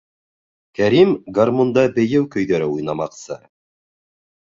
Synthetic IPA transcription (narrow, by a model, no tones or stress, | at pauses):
kæɾimɡarmond̪ɑbɘ̆jɘwkɵ̆jðæɾɘujnɑmɑqsɤ